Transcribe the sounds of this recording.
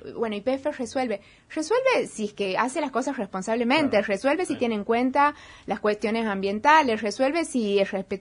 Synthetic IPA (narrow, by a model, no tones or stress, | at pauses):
bwe̞noipefereswe̞lβe | reswe̞lβesiehkea̰selasko̞sasrespo̞nsaβ̞lemẽnt̪ereswe̞lβesit̪jeneːŋkwent̪alaskwe̞st̪jo̞nesambje̞nt̪alesreswe̞lβe̞siesrespe